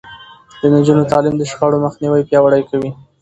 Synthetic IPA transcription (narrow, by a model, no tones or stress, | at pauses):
d̪̥ənad͡ʒunot̪ɑlimd̪əʃxɑɽomaxniwəjpjɑwaɽəjkawi